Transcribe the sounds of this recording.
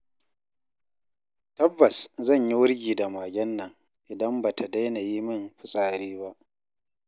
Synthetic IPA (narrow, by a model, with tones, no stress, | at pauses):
tɐ˦bːɐ˨szɐ˦˨ɲji˦wʊ˦ɽɡʲiː˨da˨maː˨ɡʲɐ˦nːɐ˨ŋ | ʔɪ˨dɐ˦mbaː˨tʰa˨da˦jna˨ji˦mɪ˦˨mɸʊ˦sʼaː˨ɾiː˦ba˦ʔ